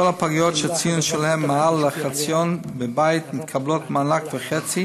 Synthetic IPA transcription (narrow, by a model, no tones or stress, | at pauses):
ɔlapaɡijɔtʃɛt͡sijʊnʃɛlhɛmːaalːaχat͡sjɔnbəbaɪɪtmɪt̪kʰablotmanakvəχɛt͡si